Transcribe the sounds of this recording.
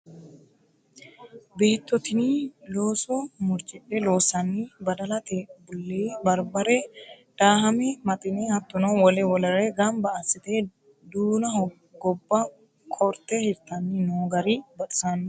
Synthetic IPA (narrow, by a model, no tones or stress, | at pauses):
beːt̪ːɔt̪ɪniloːsɔmʊɾt͡ʃʼɪpːɛloːsɐnːibɐd̪ɐlɐt̪ebʊlːeːbɐɾbɐɾɛ | d̪̥aːɦɐmɛmɐt̪ʼɪnehɐt̪ːʊnɐwwɔlɛwɔlɐɾɛɡɐmbɐʔɐsɪt̪eː | d̪uːnɐh | ɡɔbːɐ | kʼɔɾt̪ːɛhɪɾt̪ːɐnːinoːɡɐɾibɐᶑɪ̥sanː